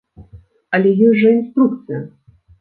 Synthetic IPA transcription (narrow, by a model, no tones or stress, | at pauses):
ɐlʲɛjɔjʲʐɐinst̪ɾuk̚t̪sɨjɐ